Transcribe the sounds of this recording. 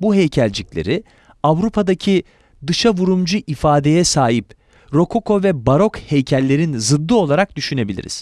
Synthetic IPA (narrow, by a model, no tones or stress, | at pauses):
buɦejcʰælʲd͡ʒiclʲḛɾi | avɾupʰad̪acʰi | d̪ɯʃavuɾumd͡ʒuʔifaːd̪e̞jɛsaːɦip | ɾo̞kʰo̞kʰo̞vɛbaɾo̞khejcʰɛlʲːe̞ɾinzɯd̪ːɯo̞lˠaɾak̚d̪yʃyne̞bilʲḭɾḭz̥